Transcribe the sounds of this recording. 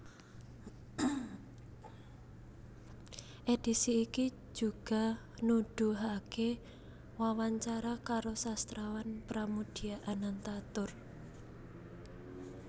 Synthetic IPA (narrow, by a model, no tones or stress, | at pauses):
ʔed̪̥isiːki̥ | d͡ʒ̥ṳɡ̥a̤ | nuɖ̥ṳɦake | wawaɲt͡ʃaɾakaɾosast̪ɾawanpɾamud̪̥i̤aʔanant̪at̪ʊr